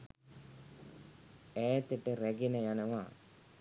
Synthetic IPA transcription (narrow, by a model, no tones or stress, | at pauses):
ɛːt̪əʈəɾæɡenəjanəʋa